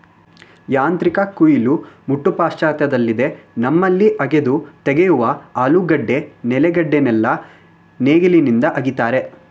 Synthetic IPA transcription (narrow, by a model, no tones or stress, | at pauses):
jaːnt̪ɾikɐkujilumuʈːupaːst͡ʃaːt̪jɐd̪ɐlːid̪e̞nɐmːɐlːiʔɐɡe̞d̪ut̪eɡejuʋɐaːluɡɐɖːe̞nɛlɛɡɐɖːenɛlːɐ | neːɡilinind̪ɐʔɐɡit̪aːɾe̞